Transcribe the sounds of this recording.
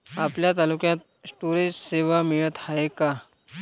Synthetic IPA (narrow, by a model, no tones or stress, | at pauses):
apljat̪alukjãt̪̚sʈuɾẽsseʋamiɭət̪haeka